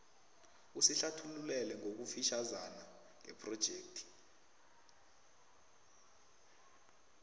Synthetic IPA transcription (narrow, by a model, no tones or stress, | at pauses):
usiɬatʰululɛlɛŋok̬ufiʃazana | ŋɛpʰʼrɔd̥ʒ̥ʱeːk̚tʰi̥